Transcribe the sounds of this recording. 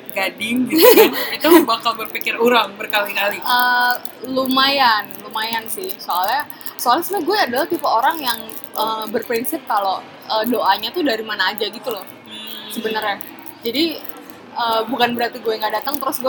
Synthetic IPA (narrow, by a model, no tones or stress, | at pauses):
ɡadɪŋ | it̪ubakalbərpikɪruɾaŋbərkalikaliʔə | lumajanlumajansɪhsoalɲa | soalasnaɡuɛːdalaht̪ipaoɾaŋjaŋ | ʔəːbərpɾinsɪp̚kalo | ədoʔaɲat̪ʊdaɾimanaːd͡ʒaɡit̪ulɔh | səbənərja | d͡ʒadi | əbukanbəɾat̪iɡuɛŋɡaʔdat̪əŋt̪əɾʊsɡua